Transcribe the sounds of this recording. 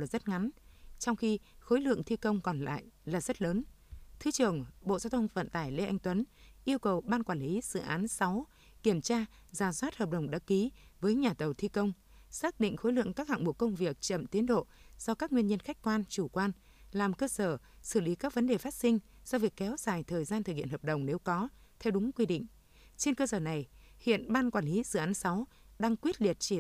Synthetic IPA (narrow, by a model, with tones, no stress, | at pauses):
laː˨˩zə˦˥t̚ŋa˨˦nt͡ɕɔ˧wŋ͡mxi˧xo˨˦jlɨ̰˧˨əŋt̪ʰi˧kə˧wŋ͡mkɔ˨˩nla̰ː˧˨jlaː˨˩zə˦˥t̚ləː˨˦nt̪ʰɨ˨˦t͡ɕɨ˨˩əŋɓo̰˧˨zaː˧wt̪ʰə˧wŋ͡mvə̰˧˨nt̪aː˧˩jle˧ʔa˧jŋ̟t̪wə˨˦nʔi˧əwkə˨˩wɓaː˧nkwaː˧˩nli˨˦sɨ̰˧˨ʔaː˨˦nsa˨˦w | ki˧˩əmt͡ɕaː˧ | zaː˧˩swaː˦˥t̚həː˨˩p̚ɗə˨˧˩wŋ͡mɗa̰ː˨˦˥ki˨˦vəː˨˦jɲaː˨˩t̪ə˨˩wt̪ʰi˧kə˧wŋ͡m | saː˦˥k̚ɗḭ̈˧˨ŋ̟xo˨˦jlɨ̰˧˨əŋkaː˦˥k̚ha̰˧˨ŋɓo̰˧˩kə˧wŋ͡mvi˨˩ək̚t͡ɕə̰˧˨mt̪i˨˦ənɗo̰˧˨z̥ɔ˧kaː˦˥k̚ŋwi˧ənɲə˧nxa˦˥jk̟̚kwaː˧nt͡ɕu˧˩kwaː˧n | laː˨˩mkəː˧səː˧˩sɨ˧˩li˨˦kaː˦˥k̚və˨˦nɗe˨˩faː˦˥t̚sï˧ŋ̟ | zɔ˧vi˨˩əkːɛ˨˦wz̥aː˧˩jt̪ʰəː˨˩jzaː˧nt̪ɨ˨˩k̚hḭ˧˨ə˨hə˨˩p̚ɗə˨˩wŋ͡mne˨˦wkɔ˨˦ | t̪ʰɛ˧wɗʊ˨˦ŋ͡mkwi˧ɗḭ˧˨ŋ̟ | t͡ɕe˧nkə˧səː˧˩na˨˩j | hḭ˧˨ənɓaː˧nkwaː˧˩nli˨˦zɨ̰˧˨ʔaː˨˦nsa˨˦w | ɗaː˧ŋkwi˦˥ət̚li˨˩ət̚t͡ɕi˧˩